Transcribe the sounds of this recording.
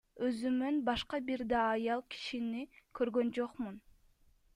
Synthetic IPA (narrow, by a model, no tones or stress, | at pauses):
øzymønbɑʃqɑbiɾd̪ɑːjɑlˠkʰi̥ʃinikʰøɾɡønd͡ʒoqmun